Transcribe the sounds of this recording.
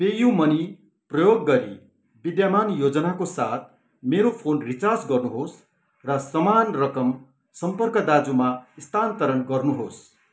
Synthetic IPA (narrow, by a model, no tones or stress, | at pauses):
pejumʌni | prʌjoɡːʌɾi | bid̪jamanjod͡zʌnakosat̪̚ʰ | meɾopʰonrit͡sasɡʌrnuɦos | rʌsʌmanrʌkʌm | sʌmpʌrkʌd̪ad͡zumaist̪ʰant̪ʌɾʌnɡʌrnuɦos